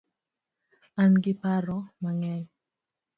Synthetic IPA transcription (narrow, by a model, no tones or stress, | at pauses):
anɡipaɾɔmaŋɛɲ